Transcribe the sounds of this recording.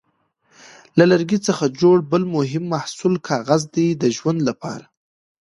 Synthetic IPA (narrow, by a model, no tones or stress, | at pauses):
lalaɾɡit͡səxad͡ʒoɽbəlmʊɦɪmːahsulkʰɑɣazd̪ed̪əʒwand̪lapɑ̰ɾa